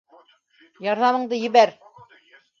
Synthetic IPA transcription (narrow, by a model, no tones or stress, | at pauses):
jɑɾðɑmɤ̆ɴd̪ɤjɘ̆βæɾ